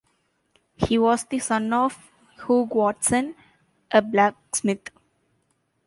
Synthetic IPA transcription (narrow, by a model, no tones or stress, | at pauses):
hiːʋɔːzd̪isʌ̃nɔːf | huːɡwɔːʈsə̃n | ʔəblæksmɪt̪ʰ